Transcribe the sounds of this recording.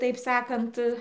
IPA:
tɐɪp ˈsɑːkɐnt

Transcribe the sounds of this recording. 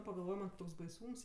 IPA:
pɐɡɐlˠˈʋoːj mɐnʲ ˈtoːks bɐɪˈsuːms

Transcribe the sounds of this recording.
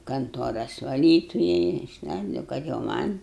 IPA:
kɐnˈtuɔrɐs ʋɐˈlʲiːtʊjɛ ɪʃˈlˠɐɪdoːʊ kɐt jɛʊ ˈmɐnʲ

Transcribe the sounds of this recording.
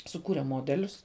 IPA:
sʊˈkuːrʲɛ ˈmoːdʲɛlʲʊs

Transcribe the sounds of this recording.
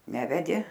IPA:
ˈnʲæːʋʲɛdʲeː

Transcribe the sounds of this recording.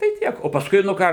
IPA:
tɐɪ ˈtʲiɛk oː pɐsˈkʊɪ nʊ ˈkɑː

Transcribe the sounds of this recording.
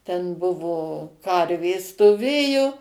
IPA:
ˈtʲɛn ˈbʊʋoː ˈkɐrʲʋʲeːs stoːˈʋʲeːjʊ

